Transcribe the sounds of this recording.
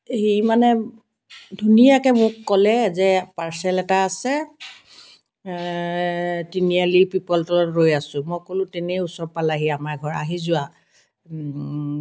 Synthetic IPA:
ɦimanɛ | dʱunijakɛmʊkːɔlɛzɛpaɹsɛlɛtaːsɛ | tinialipipɔltɔlɔtɹojasʊ̃mɔjkolʊ̃tenɛusɔɹpalaɦiamaɹɡʱɔɹa̰ɦizʊwa

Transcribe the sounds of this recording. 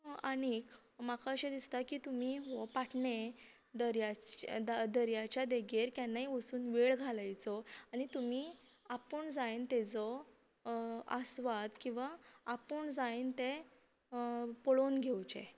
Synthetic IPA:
anik | makaəɕed̪ist̪akiːt̪um̤iːɦɔpaʈʰɳe | d̪əɾja | d̪əɾjat͡ɕjad̪eɡeɾkjanːaɦiʋəsuːnʋeɭɡʱalajt͡sɔaɽ̃it̪um̤iː | apəɳd͡zajnt̪ed͡zɔ | asʋad̪kĩw̃ʋaapəɳd͡zajnt̪e | pɔɭonɡʱewt͡ɕḛ

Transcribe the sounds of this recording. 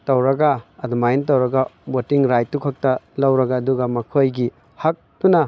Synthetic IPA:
tɐwɾɐɡɐːdumajntɐwɾɐɡɐbotiŋɾajtːukʰɐk̚tɐlɐwɾɐɡɐːduɡɐmɐkʰojɡi | hɐk̚tunɐ

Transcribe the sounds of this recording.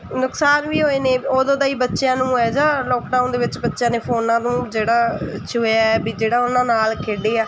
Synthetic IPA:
nʊksaːnʋiːɦoːeːneːoːd̪õːd̪aːiːbətːʃjãːnũːɛːd͡ʒãːlɔːkɖaːʊnd̪eːʋɪt͡ʃbətːʃjãːneːpʰoːnãːnũːd͡ʒeːɽaːt͡ʃʰʊːaːɛbiːd͡ʒeːɽaːʊnãːnaːlkʰeːɖeːaː

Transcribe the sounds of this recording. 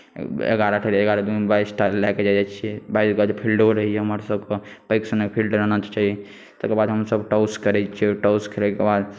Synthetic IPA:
ḛɡaɾaʈʰeɾəɡaɾad̪ubaisʈalɛked͡ʒad͡ʒɛt͡ʃʰiɛbaisɡəd͡ʒepʰilɖoɾəɦijɛɦəməɾsəbkepajksənekpʰilɖɾənət͡ʃ̪t͡ʃaɦi | t̪əkebad̪ɦəmsəbʈawskəɾɛt͡ʃʰiʈawskʰelekebad̪

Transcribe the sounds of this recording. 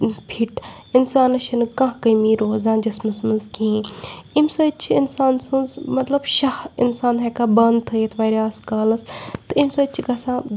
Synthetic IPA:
pʰiʈ | ɪnsaːnɐʃɐnɨkãɦkɐimiːɾoːzãːnd͡ʒɐsmɐsmɐnzkĩimsɐt͡ʃʰiɪnsaːnsɨnzmɐt̪lɐbʃɐhɪ̰nsaːnɦekaːbɐnd̪t̪ʰɐet̪ʰʋaːɾaːskaːlɐst̪ɨimsɐt͡ʃʰiɡɐsãː

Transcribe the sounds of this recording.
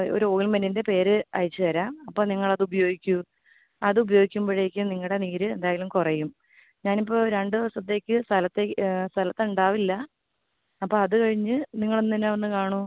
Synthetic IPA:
o̰ɾuoːɡilmenːinde̞pe̞ːɾɨɐ̰ɻit͡ɕːɨt̪ɐɾaːmɐpːoːniŋːɐɭɐðubɐjo̞ːɡikʲːu | ɐðɨubɐjo̞ːɡikʲːumboːɻeːkʲːɨniŋːɐɭɽe̞niːɾɨe̞nd̪aːjilumkurɐjum | ɲaːnipːo̞ːɾeɳɖɨðiʋɐsɐt̪̬ːe̞ːkʲːɨst̪ʰɐlɐt̪ːest̪ʰɐlɐt̪ːuɳɖaːʋilːɐː | pːoːɐðɨkɐɻiɲːɨniŋːɐɭonːinːeʋɐnːɨkaːɳu

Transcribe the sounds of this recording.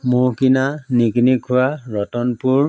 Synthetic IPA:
mʊɹkinaniknikʰʊwaɹɔtɔnpuɹ

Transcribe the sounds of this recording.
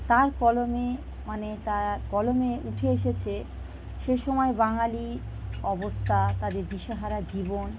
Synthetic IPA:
t̪aɾkɔlome | manet̪aɾkɔlomeuʈʰeeʃet͡ɕʰe | ʃeʃɔmɔebaŋali | ɔbost̪ʰat̪ad̪eɾb̪iʃeɦaɾad͡ʑibon

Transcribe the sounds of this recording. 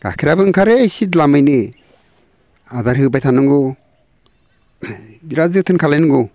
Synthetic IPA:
ɡ̥a̰kʰiɾabɯŋkʰaɾesitlamɯjnɯ | adaɾhɯbajtʰanɯŋɡɔ | biɾazɯk̚tʰɯnkʰalenŋɡɔ

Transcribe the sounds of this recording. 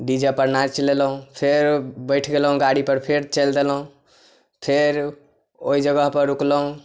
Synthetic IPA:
ɖid͡ʒəpəɾnad͡ʒt͡ʃlelɦũpʰeɾbəɪʈʰɡelɦũɡaɽipəɾpʰeɾt͡ʃəld̪elɦũ | pʰeɾ | oid͡ʒəɡəɦpəɾːukləɦũ

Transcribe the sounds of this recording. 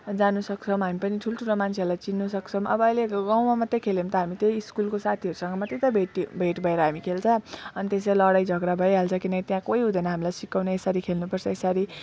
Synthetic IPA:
d͡zanusʌk̚t͡sʰʌmɦamipʌniʈʰuloʈʰulomant͡sʰeʌɾlajt͡sinːusʌkt͡sʰʌmʌ̰bʌːjleɡawmamʌt̪ːekʰelemt̪ʌɦamit̪ejiskulkosat̪ʰiʌɾusʌŋɡʌmʌt̪ːet̪ʌbʱeʈibʱeʈbʱʌeɾʌɦamikʰelt͡sʰʌʌnit̪es̬elʌɽajd͡zʱʌɡɾabʱʌjɦalt͡sʰʌkinʌkit̪jãkoiɦud̪ʱʌnʌɦamilajsikawneesaɾikʰelnupʌrt͡sʰʌesaɾi

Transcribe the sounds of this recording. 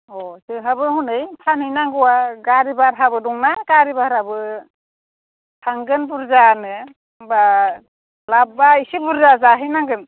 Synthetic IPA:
ɔsɯɦabɯhunɯjpʰanɯjnaŋɡɯwaɡaɾibaɾɦabɯdɔŋnaɡaɾibaɾabɯ | tʰaŋɡɯnbuɾzanɯ | ba | labaisibuɾzazaɦɯjnaŋɡɯn

